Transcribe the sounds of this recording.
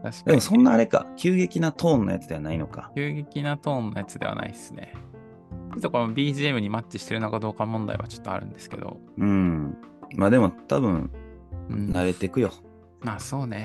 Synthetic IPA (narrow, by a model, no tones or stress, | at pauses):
t̪aɕkd̪emosõ̞nːaːɾe̞ka̰kʲɨːɡe̞kʲinat̪ʰõ̞ːnːoja̰t͡sɨd̪e̞βanaino̞ka̰kʲɨːɡe̞kʲinat̪õ̞ːnːojat͡sɨd̪e̞a̰na̰ḭsɨne̞̰ | it̪okomabʲiːʑiemɯ̟ɲ̟imat͡ɕːiɕi̥t̪e̞ɾɯ̟nokad̪o̞ːkamõ̞nd̪a̰iβat͡ɕo̞̥t̪ːoa̰ɾɯ̟̰̃nd̪e̞sɨ̥ke̞̰d̪o̞̰ | ɯ̟̃ː | maːd̪e̞mo̞t̪abɯ̟̃n | naɾe̞t̪ekɯ̟jo̞ | maso̞ːne̞